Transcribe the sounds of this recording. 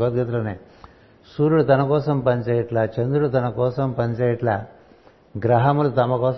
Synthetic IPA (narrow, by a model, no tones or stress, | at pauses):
ɡɐt̪ɡɐt̪lɐneː | suːɾuɽut̪ɐnɐkɔːsɐmpɐɲt͡ʃeːjɐʈlɐt͡ʃɐnd̪ɾuɽut̪ɐnɐkɔːsɐmpɐnt͡ʃeːjɐʈlɐ | ɡɾɐɦɐmulut̪ɐmɐkɔːs